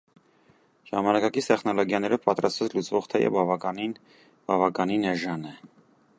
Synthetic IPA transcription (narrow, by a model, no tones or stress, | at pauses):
ʒ̥ɑmɑnɑkɑkist̪ɛχnɔlɔɡjɑnɛɾɔvpɑt̪ɾɑst̪vɑt͡sʰlut͡sʰvɔʁt̪ʰɛ̰jɛ̰vbɑvɑkɑnin | bɑvɑkɑninɛʒɑnɛ